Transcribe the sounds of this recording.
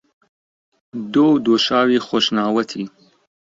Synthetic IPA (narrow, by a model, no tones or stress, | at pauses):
d̪oːwd̪oːʃaːwiːxoʃnaːwɐt̪ʰiː